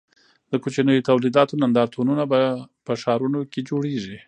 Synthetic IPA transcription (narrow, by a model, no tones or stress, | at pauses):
d̪̥əkot͡ʃinəjot̪awlid̪ɑt̪onand̪ɑɾt̪ʰonunabapəʃɑɾunoked͡ʒoɽeʒi